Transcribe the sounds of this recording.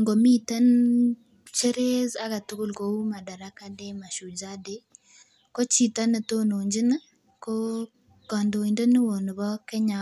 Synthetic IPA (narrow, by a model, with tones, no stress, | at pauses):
ŋɡo˨mi˦ta˦n | t͡ʃe˦ɾe˦za˦ka˨tʊ˦kʊ˦lko˨u˦ma˨da˨ɾa˦ka˦de˦ma˨ʃu˨d͡ʒa˦de˦ | ko˦t͡ʃi˨ta˦nə˨to˦no˨ɲd͡ʒɪ˦n˦ | ko˦ | kɔ˨ndo˨i˨ndə˦nɪ˦wo˨n˨bɔ˦kɛ˦ɲa˨